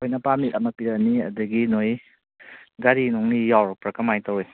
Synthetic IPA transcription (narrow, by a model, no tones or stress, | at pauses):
ojnɐpamiɐmɐpiɾɐniɐ̰dɐɡinoj | ɡaɾinɔŋnijawɾpɾɐkɐmajtawe